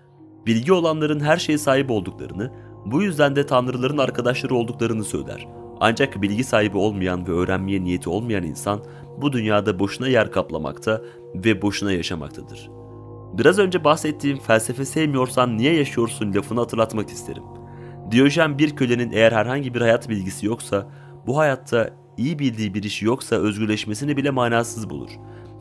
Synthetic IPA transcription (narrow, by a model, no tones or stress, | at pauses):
b̥ilʲɟio̞lˠanlˠaɾɯnɦæɾʃe̞jisaːɦip̬olˠd̪uklˠa̰ɾɯnɯbujyzd̪ænd̪ɛt̪ʰanɾɯlˠaɾɯnaɾkʰad̪aʃlˠaɾɯo̞lˠd̪uklˠaɾɯnɯsø̞̰jlʲæ̰ɾ̥ | a̰nd͡ʒakbilʲɟisaːɦibio̞lˠmajanvɛø̞ːɾænmijɛnijet̪ʰio̞lˠmajanḭnsan | bud̪ynjaːd̪abo̞ʃunajæɾkʰaplˠa̰ma̰kt̪ʰa | vɛbo̞ʃunajaʃama̰k̚t̪ʰad̪ɯ̰ɾ̥ | biɾazø̞nd͡ʒɛbahsɛt̪ʰːiːnfælʲse̞fesejmijo̞ɾsanːijɛjaʃɯjo̞ɾsunlʲafunat̪ʰɯɾlˠat̪maki̥st̪ʰe̞ɾḭm | d̪ijoʒæmbiɾcʰø̞lʲe̞ninʔejæɾhæɾɦaɲɟibiɾhajat̪bilʲɟisijo̞ksa | buɦajat̪ʰːa | ijibilʲd̪iːbiɾiʃijo̞ksaø̞zɟyɾlʲɛʃmes̬inibilʲɛmaːnaːsɯzbṵlˠṵɾ̥